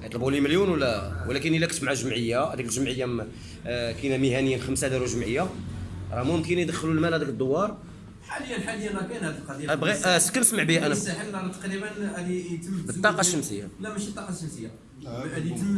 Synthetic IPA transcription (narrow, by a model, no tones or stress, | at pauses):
jt̪ˤləbuliməljunwəlːæwlækənilːækt̪mʕaʒəmʕəjːahd̪ikəlʒəmʕəjːa | kinæməhænəjːənxəmsad̪iɾuʒəmʕəjːaɾˤɑmʊmkənjd̪əxːəlulmælhæd̪ikəd̪ˤːowɑɾˤ | ħaləjːənħaləjənækænhæd̪əlqɑd̪ibɣiskːænəsməʕbihæʔænħəmd̪ɑɾˤt̪ə̥qɾibənhæd̪it̪əmbət̪ːɑqɑʃːəmsəjːa̰læmæʃit̪ˤːɑqɑʃəmsəjːa | æd̪im